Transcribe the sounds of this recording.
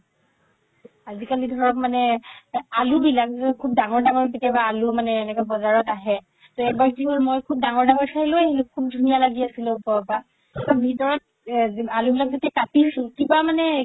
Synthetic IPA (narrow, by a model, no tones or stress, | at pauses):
azikalidʱɔɹɔkmanɛ | alubilakzkʰub̚daŋɔɹdaŋɔɹketɛbaːlumanɛːnɛkɔbɔzaɹɔtaɦɛ | tɔɛk̚batiɔɹmojkʰub̚daŋɔɹdaŋɔɹsailojɦilukʰub̚dʱunijalaɡiasilʊpɔba | tɔbʱitɔɹɔt̚ | alubilak̚zatɛkatisʊ̃kibamanɛ